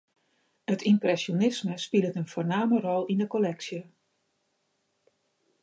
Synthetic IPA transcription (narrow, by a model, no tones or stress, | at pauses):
ətimprɛsjonɪsməspilˠətənfoːrnaːmərɔlˠindəkolɛksjə